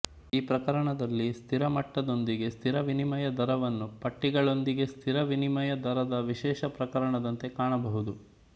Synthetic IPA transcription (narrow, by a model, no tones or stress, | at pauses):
iːpɾɐkɐɾɐɳɐd̪ɐlːist̪ʰiɾɐmɐʈːɐd̪o̞nd̪iɡe̞st̪ʰiɾɐʋinimɐjɐd̪ʱɐɾɐʋɐnːupɐʈːiɡɐɭo̞nd̪iɡe̞st̪ʰiɾɐʋinimɐjɐd̪ʱɐɾɐd̪ɐʋiʃɛːʃɐpɾɐkɐɾɐɳɐd̪ɐnt̪e̞kaːɳɐbɐɦud̪u